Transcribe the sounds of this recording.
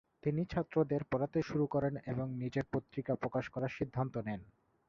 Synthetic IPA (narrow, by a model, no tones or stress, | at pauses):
t̪init͡ɕʰat̪ːɾod̪eɾpɔɾat̪eʃuɾukɔɾeneboŋnid͡ʑeɾpot̪ːɾikapɾokaʃkɔɾaʃid̪ʱːant̪onen